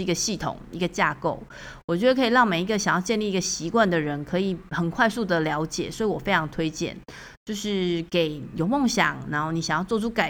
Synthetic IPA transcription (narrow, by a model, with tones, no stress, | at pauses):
i˧˥ɡə˧ɕi˥˩t̪ʰʊ̰˨˩ŋi˧˥ɡə˧t͡ɕja̰˥˧ko˥˩ʊ | wwɔ˨˩t͡ɕɥɛ˧˥d̪ə˧kʰɤ˧˥i˨˩lɑ˥˩ŋme˨˩ɪi˧˥ɡə˧ɕɑ˨˩ŋjɑ˥˧ʊt͡ɕjnli˥˩i˧ɡə˨ɕi˧˥kwa˥˩nd̪ə˩ɻə˧˥nkʰɤ˧˥i˨˩xə˨˩nkʰwa˥˧ɪsu˥˩d̪ə˩ljɑ˧˥ʊt͡ɕjɛ̰˨˩swɔ˧˥i˨wɔ˨˩fe˥ɪʈ͡ʂʰɑ˧˥ŋt̪ʰwe˥ɪt͡ɕjɛ̰˥˩n | t͡ɕjo˥˧ʊʂɻ̩˥˩ke˨˩ɪjo˨˩ʊmo˥˩ŋɕjɑ̰˨˩˦ŋna˧˥nxo˥˩ʊni˨˩ɕɑ˨˩ŋjɑ˥˧ʊt͡swɔ˥˧˩ʈ͡ʂʰu˥ka˨˩